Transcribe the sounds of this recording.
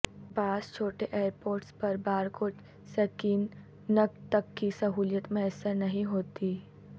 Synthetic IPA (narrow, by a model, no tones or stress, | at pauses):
baːst͡ʃʰoːʈeʔeːɾpoːɾʈspɐɾbaːɾkʊt͡ʃ | sɐkiːn | nəkt̪ɐkːisɐɦuːljət̪mẽəsəɾnɐɦĩɦoːt̪i